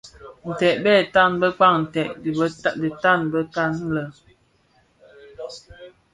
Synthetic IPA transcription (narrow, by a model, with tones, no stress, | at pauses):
n̩˨tɛ˨ʔ̚bɛː˦˨ta˦˨nbə˦k͡pa˦˨ŋn̩˨tɛ˨ʔdi˨ta˦˨nbə˦ta˦˨n˦lə˨